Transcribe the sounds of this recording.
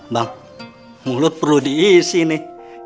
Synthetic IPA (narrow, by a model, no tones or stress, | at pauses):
baŋ | mulʊt̪̚pərludiːsinɪ